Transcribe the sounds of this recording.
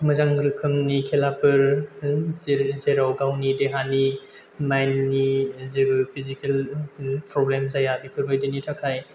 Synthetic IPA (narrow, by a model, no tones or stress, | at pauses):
mɯzaŋɾɯkʰɯmnikʰelapʰɯɾ | zeɾawɡawnideɦani | majnːizebɯpʰizikelpɾɔblemzajabipʰɯɾbɯjdinitʰakʰaj